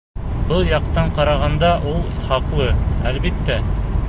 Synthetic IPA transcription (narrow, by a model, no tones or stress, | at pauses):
bɤlˠjɑqt̪ɑɴqɑɾɑʁɑnd̪ɑʔulˠχɑqlˠɤælbit̪ːæ